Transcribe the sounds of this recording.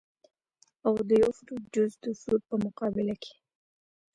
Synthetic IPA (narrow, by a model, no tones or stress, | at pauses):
awd̪əjafɾud͡ʒʊzd̪əsud̪̚pəmʊqɑbɪlakʰe̥